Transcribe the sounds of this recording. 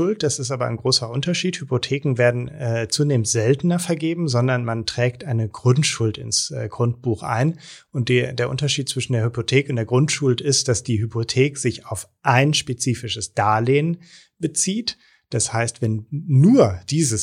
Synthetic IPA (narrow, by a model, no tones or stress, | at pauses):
ʊlt̚d̥asɪstʔaːbɐʔa̰ɪnɡʁoːsɐʔʊntɐʃiːthypotʰeːkŋ̩veːɐdn̩ɛːt͡suːneːmnstz̥ɛltn̩ɐfɛɐɡeːbm̩zɔndɐnmantʁ̥ɛːktʔaɪnəɡʁʊntʃʊltɪnsɡʁʊnt̚b̥uːxʔa̰ɪnʔʊnt̚d̥deːɐʔʊntɐʃiːt̚t͡sv̥ɪʃn̩deːɐhypotʰeːkəʊntdeːɐɡʁʊntʃʊltɪstd̥asd̥iːɦypʰotʰeːkz̥ɪçaʊf | ʔaɪnʃpet͡siːfɪʃəsd̥aːleːn | b̥ət͡siːt | d̥ashaɪstv̥ɛnːuːɐd̥iːzəs